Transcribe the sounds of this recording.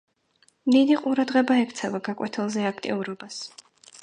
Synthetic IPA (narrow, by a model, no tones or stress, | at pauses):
md̪id̪iqʼuɾad̪ʁɛbaɛkʰt̪sʰɛvaɡakʼwɛt̪ʰɛlˠzɛakʰt̪ʼḭuɾɔbas